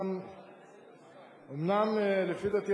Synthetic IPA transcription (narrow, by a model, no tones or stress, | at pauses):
m | ʔomnamlefid̪at̪i